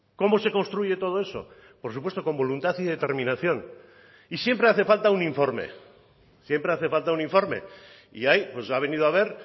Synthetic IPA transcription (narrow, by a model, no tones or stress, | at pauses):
ko̞mo̞se̞ko̞nst̪ɾuʝe̞t̪o̞ð̞o̞e̞so̞̰ | poɾsupwest̪o̞ko̞mbolunt̪aθiðe̞t̪e̞ɾmĩnaθjo̞n | isje̞mpɾe̞aθe̞falt̪aunĩɱfo̞ɾme̞̰ | sjempɾe̞aθe̞falt̪aunĩɱfo̞ɾme̞̰ | ḭajpwe̞saβ̞e̞nið̞oaβ̞e̞ɾ